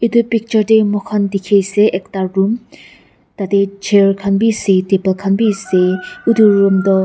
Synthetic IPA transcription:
id̪upik̚t͡ʃɔɾdemɔkʰand̪ikʰeseʔekt̪aɾːum | t̪at̪ed͡ʒeɹkʰanbiset̪epalkʰanbiseud̪uɾumd̪ɔ

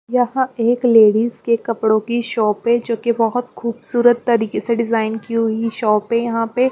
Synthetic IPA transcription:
jɐɦãeːkleːɽiːzkekɐpɽõkiʃɔːpɦẽd͡ʒoːkebɐɦʊt̪xuːbsuːɾət̪ːɐɾiːkeseɖɪzaːɪnkiʊiʃɔːpɦẽjɐɦãpe

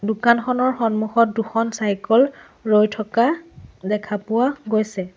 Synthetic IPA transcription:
dʊkanxɔnɔɹxɔnmuxɔt̚duxɔnsajkɔl | ɹojtʰɔkadɛkʰapʊwaɡojsɛ

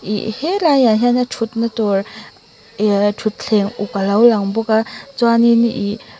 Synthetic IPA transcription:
ḭhelaŋjaɦjanatʰut̚natɔɾ | tʰut̚ɬʰeŋukalawlaŋbɔkat͡swaniniʔi

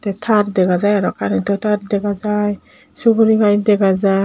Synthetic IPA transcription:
t̪ɛtʰaɾd̪ɛɡazajaɾɔkanɛt̪ɔt̪ʰaɾd̪ɛɡazaj | suɡuɾiɡajd̪ɛɡaza

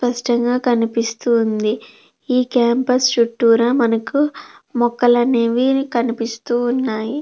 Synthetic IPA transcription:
spɐʂʈɐŋɡaːkɐnipist̪uːnd̪i | iːkaːmpɐst͡ʃuʈːuːɾamɐnɐkumɔkːɐlɐneːʋinikɐnipist̪uːnːaːji

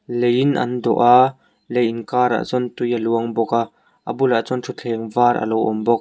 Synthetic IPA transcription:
lejɪnʔɐ̰nd̪ɔ̰ʔa | lejɪnkaːɾa̰ːʔt͡sɔnt̪ujəluəŋbɔka | ʔə̰bʊlaʔt͡sɔntʰut͡ɬʰɛːŋvaːɾʔɐ̰lɔwʔɔmbɔk̚

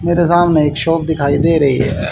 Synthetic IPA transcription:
meːɾezaːmneɪkʃoːp̚d̪ɪkʰaːiːd̪eːɾəɦḭːɦɛ̰ː

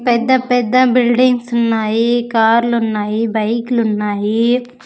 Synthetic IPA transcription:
pɛːd̪apɛːd̪abɪlɖɪŋɡsʊnːaːikaːɾlʊnːaːiːbɐɪklʊnːaːiː

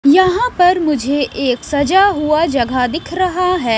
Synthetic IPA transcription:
jɐɦãpɐɾmʊd͡ʒʱeʔeːksɐd͡ʒaɦuad͡ʒɐɡʱad̪ɪkʰɾɐɦaɦɛː

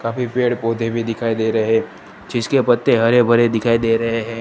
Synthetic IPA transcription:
kaːfipeːɽpoːd̪ʱebʱid̪ɪkʰaːid̪eːɾɐɦɛ̃ː | d͡ʒɪskepɐt̪ːeɦɐɾebʱɐɾed̪ɪkʰaːid̪eːɾɐɦeɦɛ̃ː

